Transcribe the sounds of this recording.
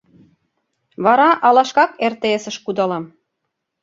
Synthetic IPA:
βɑɾɑʔɑlɑʃkɑkert̪eesə̆ʃkud̪ɑlɤm

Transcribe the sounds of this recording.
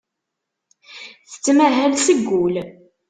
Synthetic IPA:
θə̥t͡sːmæɦælsəɡːʊl

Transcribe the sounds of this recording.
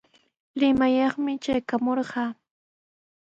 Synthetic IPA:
ɾɪmajɑχmɪt͡ʃajkamoɾɢɑː

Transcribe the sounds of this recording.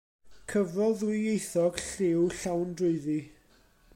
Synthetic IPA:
kʰəvrɔðwɪejθɔɡ̥ɬɪwɬawndrʊɨði

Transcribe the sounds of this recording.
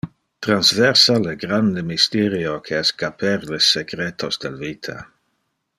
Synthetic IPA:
t̪ɾanzvɛɾsaleɡɾand̪emist̪ɛɾjokʰeɛskapʰɛɾleseɡɾet̪ʰosd̪elvit̪ʰa̰

